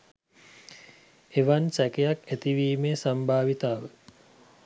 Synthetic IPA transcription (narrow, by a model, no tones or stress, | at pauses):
eʋansɛkejakæt̪iʋiːmeːsambʱaːʋit̪aːʋə